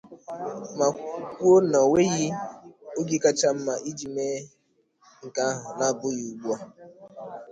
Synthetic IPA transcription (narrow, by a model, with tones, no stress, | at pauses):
ma˨kʷo˦nɔ˨we˦ɣɪ˦o˦ɡi˦ka˦t͡ʃa˦m̩˦ma˨ʔi˦d͡ʒi˨meː˦ | ŋ̩˨ka˦ɦʊ˨na˦˨bʊ˦ɣi˨u˨ɡ͡bu˦ɔ˦